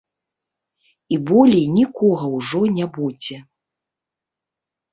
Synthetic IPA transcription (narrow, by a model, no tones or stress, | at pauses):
ibɔlʲinʲikɔɣɐwʐɔnʲɛbud͡zʲɛ